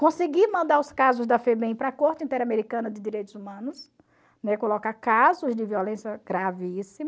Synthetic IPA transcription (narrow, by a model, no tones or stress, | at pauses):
kõsɪɡimɐ̃nd̪aɾʊskazʊzd̪ɐfebeĩpɾɐkoɾt͡ʃɪĩt̪ɛɾameɾikɐ̃nɐd̪ɪd̪iɾejt̪ʊzumɐ̃nʊs | nɛkolokaɾkazʊzd̪ɪviolẽsjɐɡ̥ɾavisimɐ